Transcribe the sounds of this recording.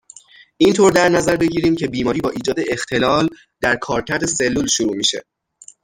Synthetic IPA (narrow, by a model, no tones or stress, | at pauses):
ʔint̪ʰoːɾd̪æɾnæzæɾbe̞ɟiːɾiːmcʰe̞biːmɒːɾiːbɒːʔiːd͡ʒɒːd̪e̞ʔext̪ʰe̞lɒːl | d̪̥æɾkʰɒːɾcʰæɾd̪e̞se̞lːuːlʃuɾuːmiːʃḛ